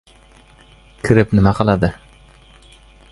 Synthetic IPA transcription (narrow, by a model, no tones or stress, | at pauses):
kʲʰɪɾɪpnɪmaqʰɑlˠad̪ɪ